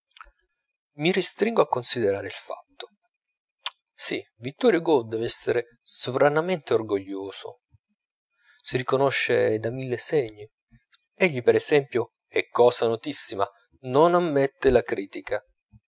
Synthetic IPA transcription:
mirist̪ɾiŋɡoakːonsid̪eɾaːɾeilfa̰t̪ːo̥ | sivit̪ːɔɾjoɡod̪ɛːveɛsːeɾe | sovɾanament̪eorɡoʎːoːso̰ | sirikonoʃːed̪amilːeseɲːi | eʎːipeɾɛsɛmpjo | ɛkːɔːsanot̪isːima | nonamːɛt̪ːelakɾiːt̪ikʰa

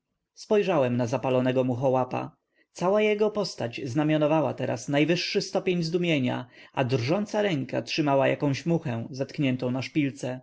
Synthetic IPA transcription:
spɔjʐawɛmnazapalɔnɛɡɔmuxɔwapa̰ | t̪sawajɛɡɔpɔst̪ad͡ʑznamʲjɔnɔvawat̪ɛɾa̰snajvɘʂːɘst̪ɔpʲeɲzd̪umʲjeɲa̰ad̪rʐɔnt̪saɾɛŋka̰tʂɘmawaja̰kɔ̃w̃ɕmuxɛ̃zat̪kɲɛnt̪ɔ̃w̃naʂpʲilt̪sɛ

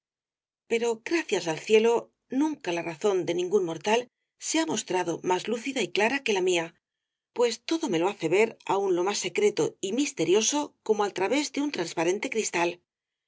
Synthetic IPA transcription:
pe̞ɾo̞ɡɾaθjasalθje̞lo̞ | nũŋkalaraθo̞nd̪e̞nĩŋɡunmo̞ɾt̪al | seamo̞st̪ɾaðo̞mazluθiðaiklaɾake̞lamia | pwe̞st̪o̞ðo̞me̞lo̞aθe̞βe̞ɾa̰unlo̞masːe̞kɾe̞t̪oimist̪e̞ɾjo̞so̞ko̞moalt̪ɾaβe̞zðe̞unt̪ɾanspaɾe̞nt̪e̞kɾist̪al

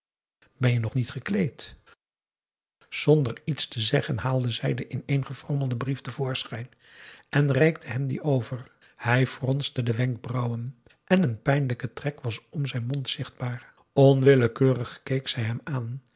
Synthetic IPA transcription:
bɛnjənɔχnitχəklejt | z̥ɔndəɹitstəzɛχənɦaːlˠdəzɛjdəʔɪnejnχəfrɔməlˠdəbriftəvʊːɹsχɛjn | ʔɛnrɛjk̚dəɦɛmdḭʔowvər | hɛjfrɔnstədəʋɛŋɡ̚brɑwən | ʔɛnənpɛjnləkətrɛkʋɑsɔmzɛjnmɔntsɪχd̚baːɹ | ɔnʋɪləkøːrəχkejksɛjɦɛmaːn

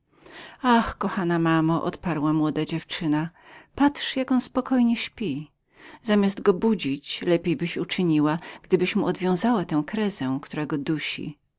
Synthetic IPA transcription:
axkɔxanamamɔʔɔ̰t̪paɾwamwɔd̪ad͡ʑɛft͡ʂɘnapatʂjakɔnspɔkʰɔjɲɛɕpʲi | zamʲjazd̪ɡɔbud͡ʑit͡ɕlɛpʲejbɘɕut͡ʂɘɲiwaɡ̥d̪ɘbɘɕmuɔd̪vʲjɔ̃w̃zawat̪ɛ̃w̃kɾɛzɛkt̪uɾaɡɔd̪uɕḭ

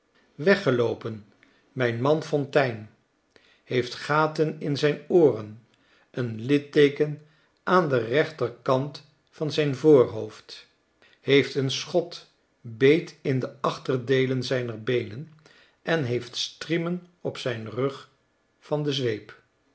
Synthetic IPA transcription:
ʋɛχəlowpən | mɛjnmɑnfɔntɛjn | hejftχaːtənɪnzɛjnoːrən | ənlɪtejkən | ʔaːndərɛχtərkɑnt | fɑnzɛjnvʊːɹɦowft | hejftənsχɔt | bejtɪndəɑχtərdejlənzɛjnəɹbejnən | ʔɛnɦejftstrimənɔpsɛjnrɵχ | fɑndəzʋejp

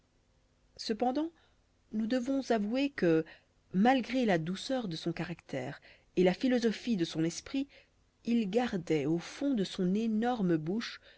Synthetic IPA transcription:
səpɑ̃d̪ɑ̃ | nud̪əvɔ̃zavuekə | malɡʁelad̪usœʁd̪əsɔ̃kaʁakt̪ʰɛ̰ːʁ | elafilɔzɔfid̪əsɔ̃nɛspχi | ilɡaʁd̪ɛofɔ̃d̪əsɔ̃nenɔʁməbuʃ

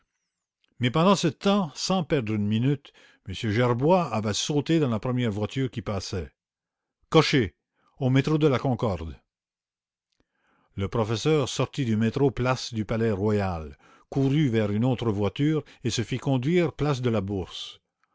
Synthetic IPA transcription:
mɛpɑ̃d̪ɑ̃sət̪ɑ̃sɑ̃pɛʁd̪ʁynminyt̪ | məsjøʒɛʁbwaːvɛsot̪ed̪ɑ̃lapʁəmjɛʁvwat̪ʰyːʁkʲipaːsɛ | kɔʃe | omet̪ʁod̪əlakɔ̃kɔʁd̪ | ləpʁɔfɛsœːʁsɔʁt̪id̪ymet̪ʁoplasd̪ypalɛʁwajal | kuʁyvɛʁynoːt̪ʁəvwat̪yːʁesəfikɔ̃d̪ɥiːʁplas̬d̪əlabuʁs

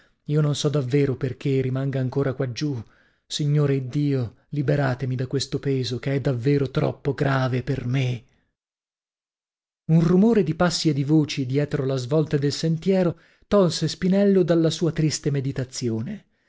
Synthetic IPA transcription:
iːononsɔd̪avːeːɾoperk̟erimaŋɡaːŋkoːɾakwad͡ʒu | siɲːoːɾeid̪ːiːo | libeɾaːt̪emid̪akːwest̪opeːzokeɛd̪avːeːɾot̪ɾɔ̰pːoɡɾaːveperme | unrumoːɾed̪ipasːied̪ivoːt͡ʃid̪jɛːt̪ɾolazvɔlt̪ad̪elsent̪jɛːɾo | t̪ɔlsespinɛlːod̪alːasuːat̪ɾist̪emed̪it̪at̪sːjoːne

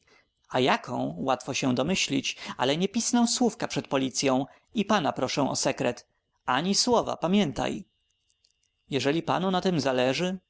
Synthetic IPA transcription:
ajakʰɔ̃w̃wat̪fɔɕɛ̃d̪ɔmɘɕlʲit͡ɕa̰lɛɲɛpʲisnɛw̃swufkapʂɛt̪̚pɔlʲit̪sʲjɔ̃w̃ | ipanapɾɔʂɛ̃w̃ʔɔ̰sɛkɾɛt̪ | aɲiswɔva̰pamʲjɛnt̪a̰j | jɛʐɛlʲipa̰nunat̪ɘmzalɛʐɘ

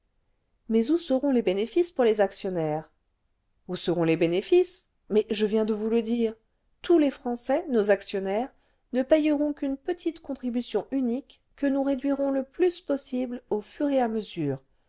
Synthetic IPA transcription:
mɛzusəʁɔ̃lebenefispuʁlezaksjɔnɛʁ | usəʁɔ̃lebenefis | mɛʒəvjɛ̃d̪əvuləd̪iːʁ | t̪ulefχɑ̃sɛnozaksjɔnɛʁ | nəpɛjəʁɔ̃kynpət̪ʰit̪kɔ̃t̪χibysjɔ̃ʔynikː | ənuʁed̪ɥiʁɔ̃ləplyspɔsiblofyʁeaməzyːʁ

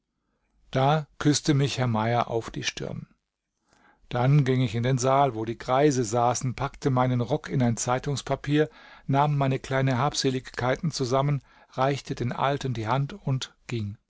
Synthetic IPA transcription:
d̥aːkʰʏstəmɪçhɛɐmaɪɐʔa̰ʊfd̥iːʃtɪ̰ɐn | d̥anɡɪŋɪçɪndeːnzaːlvoːɾiːɡʁaɪzəzaːsn̩pʰaktəmaɪnənʁɔkʰɪnaɪnt͡saɪtʊŋspʰapʰiːɐnaːmːaɪnəkl̥aɪnənɦaːpz̥eːlɪçkʰːaɪtn̩t͡suzamən | ʁaɪçtʰədeːnʔa̰ltən̩diːhantʊntɡ̥ɪŋ

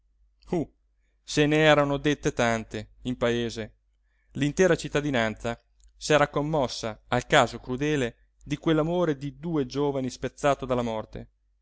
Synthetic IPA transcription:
u | seneɛːɾanod̪et̪ːet̪ant̪eimpaeːze | lint̪ɛːɾat͡ʃit̪ːad̪inant̪sa | sɛːɾakomːɔsːaalkaːzokɾud̪ɛːle | d̪ikwelːamoːɾed̪id̪uːed͡ʒoːvanispet̪sːaːt̪od̪alːamɔrt̪ḛ

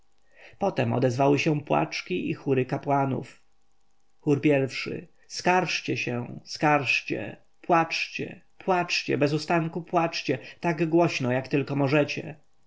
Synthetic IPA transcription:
pɔt̪ɛmɔ̰d̪ɛzvawɘɕɛ̃pwa̰t͡ʂkʲiʔixuɾɘkapwanṵf | xuɾpʲjɛɾfʂɘ̰ | skaɾʂt͡ɕɛɕɛ̃skaɾʂt͡ɕɛ̰ | pwat͡ʂt͡ɕɛ̰ | pwat͡ʂt͡ɕɛbɛzust̪aŋkupwat͡ʂt͡ɕɛt̪aɡɡwɔɕnɔjakt̪ɘlkɔmɔʐɛt͡ɕɛ

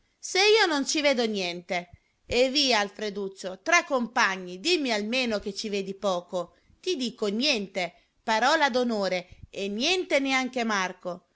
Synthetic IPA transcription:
seiːonont͡ʃivɛːd̪onjɛnt̪e | eviːaːlfɾed̪usːot̪ɾakːompaɲːid̪imːialmeːnok̟et͡ʃːiveːd̪ipɔːko | t̪id̪iːkonjɛnt̪e | paɾɔːlad̪onoːɾeenːjɛnt̪eneaŋk̟emarko

